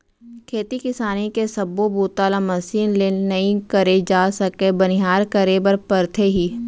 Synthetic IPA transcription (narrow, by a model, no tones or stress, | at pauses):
kʰeːt̪ikɪsaːnikesɐbːobuːt̪aːlamɐsiːnleːnɐĩkəɾed͡ʒaːsɐkebɐnɪɦaːɾkəɾebɐɾpəɾt̪ʰeɦiː